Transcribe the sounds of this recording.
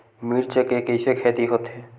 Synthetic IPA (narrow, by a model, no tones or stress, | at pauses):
miːɾt͡ʃəkekəɪsekʰɛːt̪iɦoːt̪ɦɛː